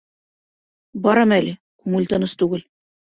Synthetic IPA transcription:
bɒɾɤmælɘ | kʉŋɘ̆lʲt̪ɤ̆nɤst̪ʉɡɘl

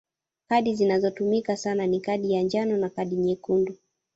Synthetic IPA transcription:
kaɗizinazɔtumikasananikaɗijand͡ʒanɔnakaɗiɲɛkundu

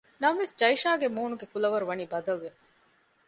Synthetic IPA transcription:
nɐmʋesd͡ʒɐiʃaːɡemuːnuɡekulɐʋɐɾuʋɐniːbɐd̪ɐlːefɐ̥

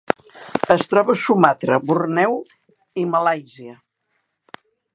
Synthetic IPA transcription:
əst̪ɾɔβəsumat̪ɾəβurnɛw | iməlajziə

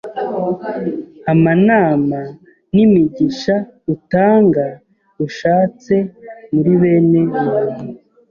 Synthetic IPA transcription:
amanaːma | nimiɟiʃa | utaːŋɡa | uʃaːt͡se̞muɾiβe̞ne̞ianu

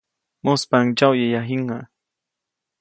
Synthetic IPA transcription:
mʊspaŋt͡ʃawjajaɦɪɴɑ

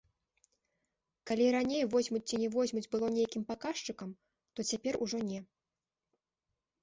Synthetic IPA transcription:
kalʲiɾanʲejvɔzʲmut͡sʲt͡sʲinʲɛvɔzʲmud͡zʲbɨlˠɔnʲɛjakʲimpakaʂt͡ʂɨkɐm | t̪ɔt͡sʲapʲɛruʐɔnʲɛ

